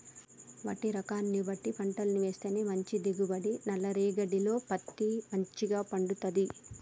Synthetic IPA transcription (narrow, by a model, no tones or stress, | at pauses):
ʋɐ̰ʈːiɾɐkaːnːibɐʈːipɐɳʈɐlɐniʋe̞ːst̪eːneːmɐɲt͡ʃid̪eɡubɐɽinɐlːɐɾiːɡɐɖilo̞ːpɐt̪ːimɐɲt͡ʃiɡaːpɐɳɖut̪ɐd̪i